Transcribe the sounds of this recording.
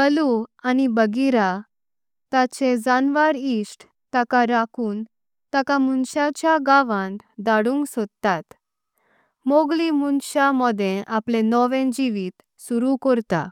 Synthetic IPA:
əluanibəɡiɾa | t̪at͡ɕed͡zanʋaɾisʈ | t̪akaɾakʰuːn | t̪akamunɕat͡ɕjaɡaʋãnd̪aɽũːŋksod̪t̪at̪ | moɡlimunɕamɔd̪ʱẽʔaplẽnɔʋẽd͡ʑiʋiːt̪ | suɾukɔɾt̪a̰

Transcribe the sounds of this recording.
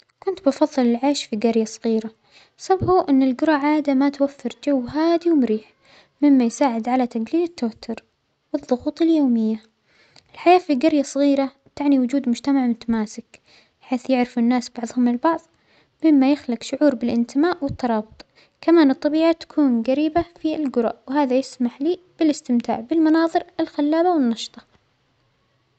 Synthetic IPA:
kʊnt̪bɪfɑðˤːɨlɪlʕaːʃfiɡaɾjasˤɨɣiːɾa | sabhuʔɪnːɪlɡʊɾˤɑʕaːd̪amat̪wafːɪɾd͡ʒawːɦaːd̪iwmʊɾiːħ | mɪmːajsaːʕɪd̪ʕalat̪aɡliːlɪt̪ːawat̪ʰːʊɾ | wɨðˤːʊɣuːt̪ˤɪljoːmɪjːa | ʔɪlħajaːfiɡaɾjasˤɣiːɾa | t̪aʕniwʊd͡ʒuːd̪mʊd͡ʒt̪amaʕmʊt̪amaːsɪk | ħeːθjɪʕɾɪfʊnːaːsb̥ɑʕðˤhʊmɪlbɑʕðˤ | mɪmːajɪxlɪqʃʊʕuːɾbɪlʔɪnt̪ɪmaːʔwɪt̪ːɑɾˤɑːbʊt̪ˤ | kamaːnɨt̪ˤːɑbiːʕat̪ḁkʰuːnɡaɾiːbafilɡʊɾa̰ʔwhaːðajɪsmaħliː | b̥ɪlɪst̪ɪmt̪a̰ːʕbɪlmɑnɑːðˤɨɾɪlxalːaːbawɪnːɑʃt̪ˤɑ̥

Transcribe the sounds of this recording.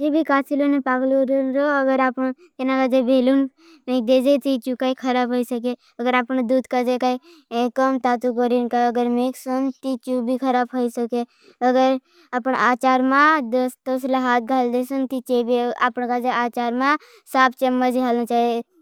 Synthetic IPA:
d͡ʒibʱikaːsilonepaːɡluɾənɾoəɡəɾapən | t̪enakad͡ʒebʱelun | mek̚d̪eːd͡ʒet̪it͡ʃukaikʰəɾaːbɦoisək̬e | əɡəɾapnd̪uːd̪kad͡ʒekai | kəmt̪aːt̪ukəɾinkaəɡəɾmeːksənt̪it͡ʃubʱikʰəɾaːbɦoisəke | əɡəɾ | apənaːt͡ʃaːɾmãd̪st̪osləɦaːt̪̚ɡʱaːld̪esənt̪it͡ʃebia̰pnkad͡ʒeaːt͡ʃaːɾmã | saːpʰt͡ʃəmːəd͡ʒiɦalnə̃t͡ʃaːe

